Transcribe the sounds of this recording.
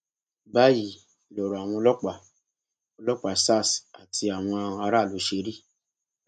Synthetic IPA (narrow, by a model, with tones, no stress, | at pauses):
ba˦ji˨ | lɔ˨ɾo˨a˨w̃ɔ̃˧o˧lɔ˦k͡pa˦˨ | o˧lɔ˦k͡pa˨sa˦˨sa˨tʰi˧a˨w̃ɔ̃˧ã˧a˧ɾa˦˨lo˨˦ʃe˧˦ɾi˦˨